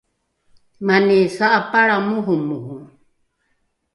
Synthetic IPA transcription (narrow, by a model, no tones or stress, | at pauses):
manɛsaʔapaɺamuɦumuɦu